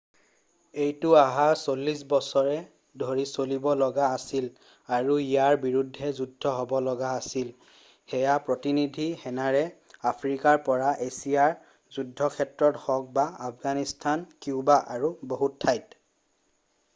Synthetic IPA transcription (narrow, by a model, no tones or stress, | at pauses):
ejtʊaɦasolːisbɔsɔɹɛ | dʱoɹisolibɔlɔɡaːsil | aɹuijaɹbiɹudʱːɛzudʱːɔɦɔbɔlɔɡaːsil | xɛjapɹotinidʱihɛnaɹɛ | apʰɹikaɹpɔɹaʔesiaɹ | zudʱːɔkʰɛtɹɔthɔk̚baapʰɡanistʰankiubaʔaɹuboɦutʰːajt